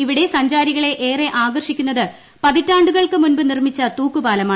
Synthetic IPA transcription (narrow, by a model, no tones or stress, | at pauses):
iʋiɽe̞sɐɲd͡ʑaːɾiɣɐɭe̞ʔeːre̞ʔaːɡɐrʂikʲːunːɐðɨ | pɐðitːaːɳɖuɣɐɭkɨmunbɨnirmit͡ɕːɐt̪uːkːubaːlɐmaː